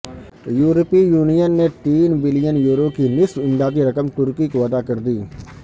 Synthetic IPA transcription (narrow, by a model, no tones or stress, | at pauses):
juːɾəpijuːnijənːet̪iːnbɪlijənjuːɾokinɪswɪ̃nd̪aːd̪iɾɐkəmt̪ʊɾkikoʋɐd̪akɐɾd̪iː